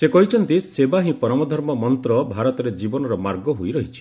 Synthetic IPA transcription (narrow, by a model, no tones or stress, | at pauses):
sekɔɦit͡ʃʰɔnt̪isebaɦĩpɔɾɔmɔd̪ʱɔɾmɔmɔnt̪ɾɔbʱaɾɔt̪ɔɾed͡ʒibɔnɔɾɔmaɾɡɔɦojɾɔɦit͡ʃʰi̥